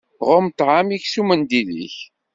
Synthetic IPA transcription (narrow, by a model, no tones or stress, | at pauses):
ʁʊmt̪ʕamiçsumənd̪ilḭç